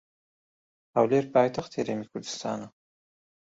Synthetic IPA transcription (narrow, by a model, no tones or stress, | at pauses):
awleɾpɑːjt̪axt̪eɾemikʰʊɾd̪ɨ̥st̪ɑ̰ːna